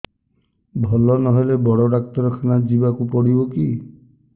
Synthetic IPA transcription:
bʱɔlɔnɔɦelebɔɽɔɾak̚t̪ɔɾɔkʰanad͡ʒibakupɔɽibɔki

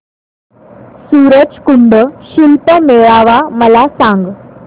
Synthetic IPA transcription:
suːɾəd͡ʑkʊ̃ɳɖəʃɪlpəmeːɭaːʋamɐlasãːŋɡ

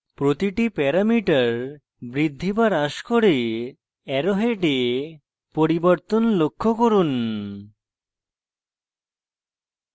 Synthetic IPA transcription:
pɾot̪iʈipɛɾamiʈaɾ | bɾid̪ʱːibaɾaʃkoɾe | ɛɾoɦeʈe | poɾiboɾt̪onlokʰːokoɾun

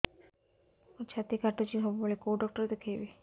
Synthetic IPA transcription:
ot͡ɕʰat̪ikaʈot͡ɕiɦɔbebolekoɖɔk̚ʈoɾet̪ekʰejbe

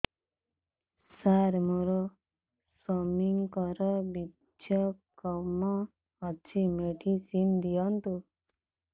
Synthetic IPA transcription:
saɾmuɾɔ | sɔmiŋkɔɾɔbi | jɔkɔmɔː | t͡ʃʰimeʈisind̪ijɔnt̪u

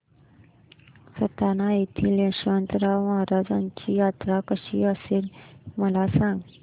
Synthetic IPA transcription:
sət̪anaet̪ʰiːljəɕənt̪əɾaməɦaɾad͡zaɲt͡ɕiːjat̪ɾakəɕiəseːɾməlasãŋɡ

